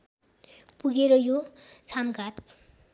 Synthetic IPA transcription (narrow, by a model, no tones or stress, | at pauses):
puɡeɾʌjot͡sʰamɡʱat̪